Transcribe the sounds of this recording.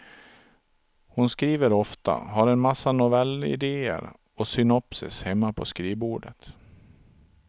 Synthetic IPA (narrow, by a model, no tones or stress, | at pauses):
hʊnskɾiːvəɾɔft̪a̰ɦaɾɛnmasːanʊvɛlːɪ̰d̪eːə̰ɾ | ɔsʏnɔpsɪ̰shɛmːapʰɔskɾiːbuːɖət̪